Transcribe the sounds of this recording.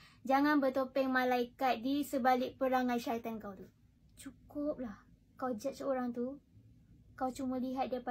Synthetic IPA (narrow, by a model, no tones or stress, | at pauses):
d͡ʒaŋanbət̪opɛŋmãlaikat̪̚disəbalɪk̚pəɾaŋãnʃaat̪ankawt̪u | t͡ʃukʊp̚lah | kawd͡ʒat̪̚səoɾaŋt̪u | kawt͡ʃumə̃liɦat̪̚diapa